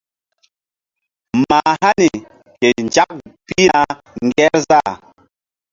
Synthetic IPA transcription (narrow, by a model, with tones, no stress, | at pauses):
ma˨ha˦ni˨ | ke˨nd͡ʒa˦k̚pi˦na˦ | ŋɡɛ˦ɾza˦˨